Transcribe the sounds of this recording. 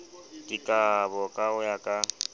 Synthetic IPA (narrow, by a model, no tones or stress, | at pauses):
kʼɪkʼabɔkʼaʊjakʼa